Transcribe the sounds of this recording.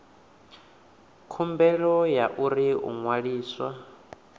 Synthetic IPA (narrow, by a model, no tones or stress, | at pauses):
kʰumbɛɺɔjaʔuɾiṵŋwaɺiːswa